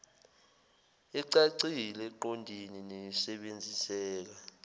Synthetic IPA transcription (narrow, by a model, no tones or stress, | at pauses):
iǀaǀilɛǃondʱininejisɛɓend͡zʱisɛːk̬a